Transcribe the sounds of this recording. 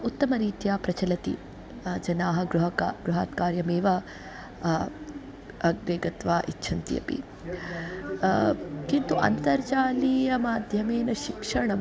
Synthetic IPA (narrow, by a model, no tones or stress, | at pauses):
ut̪ːɐmɐɾiːt̪jaːpɾɐt͡ʃɐlɐt̪ḭ | d͡ʒɐnaːɦɐɡɾuɦɐkaɡɾuɦaːt̪kaːɾjɐmeːʋɐ | ɐɡ̚ʋeːɡɐt̪ʋaːʔitːʃʰɐnt̪ijɐ̰pḭ | kint̪uʔɐ̰nt̪ɐɾt͡ʃaːliːjɐmaːd̪ʱjɐmeːnɐʃikʂɐɳɐm